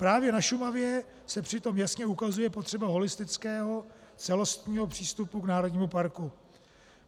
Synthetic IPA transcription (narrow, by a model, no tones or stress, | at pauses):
pɾaːvjɛnaʃumavjɛ | sɛpr̝̥ɪt̪o̞mjasɲɛukazujɛpot̪r̥ɛbaɦo̞lɪst̪ɪt͡skɛːɦo̞t͡sɛlo̞st̪ɲiːɦo̞pr̥iːst̪upuknaːɾo̞dɲiːmupaɾku